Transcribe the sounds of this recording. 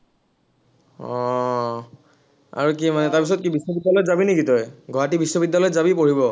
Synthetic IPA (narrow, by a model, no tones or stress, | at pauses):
ɔ | a̰ɹukimanɛtaɹpis̬ɔt̚kibisːɔbidːalɔjzabinekitɔjɡʱɔɦatibisːɔbidːalɔjzabipoɹibɔ